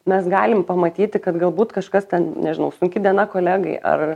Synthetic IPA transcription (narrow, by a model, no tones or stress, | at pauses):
mʲɛsɡɑːlʲɪmpɐmɐt̪ʲiːt̪ʲɪkɐt̪ɡɐlˠbuːt̪kɐʃkɐst̪ʲɛnnʲɛʒʲɪnɐʊsʊŋʲkʲɪd̪ʲiɛnɐkoːlʲæːɡɐɪʔɐ̰r